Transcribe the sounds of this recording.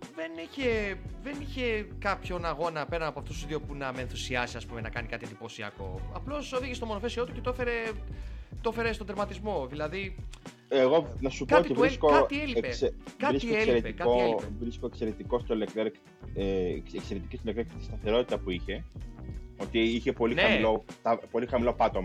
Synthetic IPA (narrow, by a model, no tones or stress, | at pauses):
ðe̞niçe̞ðe̞niçe̞kɐpço̞nɐɣo̞nɐpe̞ɾɐnɐpoɐft̪ust̪uzðiopunɐmeːnθusiɐsiɐspume̞nɐkɐnikɐt̪ied̪ipo̞siɐ̰ko̞̰ɐplo̞soðiʝest̪o̞mo̞nofe̞sio̞t̪uce̞t̪oefeɾe | t̪fe̞ɾe̞stond̪ɾmɐt̪izmo̞ðilɐði | eɣo̞nɐsupkoɐot̪it̪ivɾikoɐt̪ielipeskɐɾisikelseɾetpekɐtoeevɾiskoekse̞ɾet̪iko̞st̪olekeɾk | eekse̞ɾet̪icist̪olekt̪ekt̪i̥st̪ɐθe̞ɾo̞t̪i̥t̪ɐpuiçe̞ | o̞t̪iiçe̞po̞lineɐmilot̪ɐpo̞lixɐmilo̞pɐt̪o̞mɐ